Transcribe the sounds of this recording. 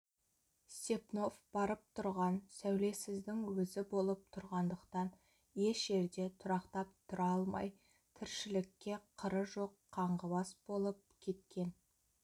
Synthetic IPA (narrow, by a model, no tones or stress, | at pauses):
sepno̞fb̥ɑɾəp̚t̪ʰʊɾʁɑnsæwle̞sɪzd̪ɪŋwɵzɪbo̞lˠəp̚t̪ʰʊɾʁɑnd̪əqt̪ɑn | je̞ʃʒe̞ɾd̪e̞t̪ʰʊɾɑqt̪ɑp̚t̪ʰʊɾɑɑlˠmɑ̰j | t̪ʰɪɾʃɪlɪkʲːe̞qʰəɾəʒo̞qʰːɑɴʁəbɑsb̥o̞lˠəp̚kʲʰe̞t̪kʲe̞n